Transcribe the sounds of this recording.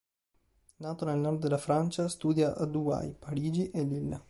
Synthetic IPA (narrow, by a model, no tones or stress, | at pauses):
naːt̪onelnɔrd̪d̪elafɾant͡ʃast̪uːd̪jaʔad̪ua̰jpaɾiːd͡ʒiʔɛlːilːa̰